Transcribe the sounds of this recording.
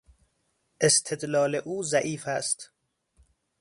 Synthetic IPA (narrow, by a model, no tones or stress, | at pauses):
ʔest̪ʰed̪lɒːleʔuːzæʔiːfæst̪